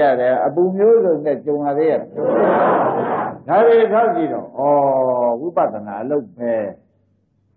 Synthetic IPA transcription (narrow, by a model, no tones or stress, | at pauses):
aɾɛʔəpumjozõʊ̃nɛt͡ɕõʊ̃jad̪ɛja̰ | daɾeʔəsʰat͡ɕiɾɔ̰ʔɔwipa̰d̪əna̰ʔəloʊbɛ